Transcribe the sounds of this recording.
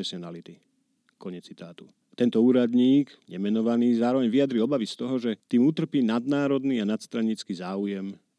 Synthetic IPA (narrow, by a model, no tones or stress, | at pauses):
ɛsɛnalit̪i | kɔɲɛt͡sːit̪aːt̪u | t̪ɛnt̪ɔuːɾad̪ɲiːɡɲɛmɛnɔʋaniːzaːɾɔʋɛɲʋiad̪ɾiɔbaʋist̪ɔɦɔʒɛt̪iːmut̪r̩piːnad̪naːɾɔd̪niːanat̪st̪ɾaɲiːt͡skizaːujɛm